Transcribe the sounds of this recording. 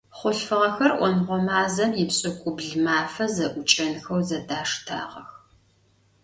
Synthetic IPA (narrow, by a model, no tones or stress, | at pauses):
χʷʊɬfɨʁɐxɐrʔʷɔnʁʷɔmaːzɐmjɪpɕʼɪkʷʼʊbɮmaːfɐzɐʔʷʊt͡ʃʼɐnxɐwzɐdaːʂtʰa̰ːʁɐ̰x